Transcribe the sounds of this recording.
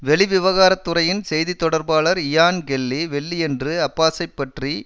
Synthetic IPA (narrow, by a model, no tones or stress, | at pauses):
ʋɛɭɪʋɪʋɐɣaːɾɐt̪ːɯrɐjɪnsɛjðit̪ːɔɽɐɾbaːɭɐɾɪjaːnɡɛlːiʋɛɭːiɛndrɯɐpːaːsɐɪpːɐʈri